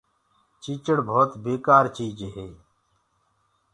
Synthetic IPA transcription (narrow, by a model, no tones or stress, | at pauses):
t͡ʃiːt͡ʃəɽbʱoːt̪beːkaːɾt͡ʃiːd͡ʒɦeː